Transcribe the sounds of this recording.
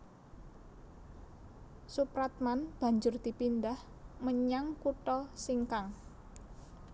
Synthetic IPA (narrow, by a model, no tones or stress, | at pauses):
supɾat̪̚manb̥a̤ɲd͡ʒʊrd̪̥i̤pindah | məɲaŋkuʈɔsiŋkaŋ